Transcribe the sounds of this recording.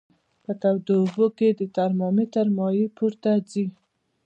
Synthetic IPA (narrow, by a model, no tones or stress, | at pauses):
pət̪awd̪oboked̪ət̪aɾmɔmit̪aɾmɑjipʰuɾt̪ad͡zi